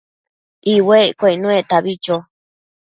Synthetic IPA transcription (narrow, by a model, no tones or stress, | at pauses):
ʔiwekʷeinũet̪aβit͡ʃo